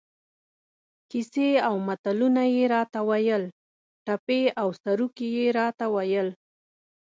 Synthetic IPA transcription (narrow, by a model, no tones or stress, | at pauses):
kiseawmat̪alunajeɾɑt̪awajəl | ʈapeawsaɾukejeɾɑt̪awajəl